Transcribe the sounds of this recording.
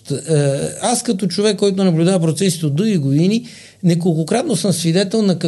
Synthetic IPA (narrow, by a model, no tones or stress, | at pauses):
t̪ | askɐt̪ot͡ʃovɛkːɔjt̪onɐblʲud̪avɐp̬ɾot̪sɛsit̪ɛod̪uɡiɡod̪ini | nɛkolˠkokɾat̪nosɤmsvid̪ɛt̪ɛlˠnɐkɐ